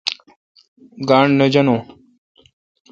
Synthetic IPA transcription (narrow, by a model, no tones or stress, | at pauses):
ɡaːɳnɐd͡ʑɐnõː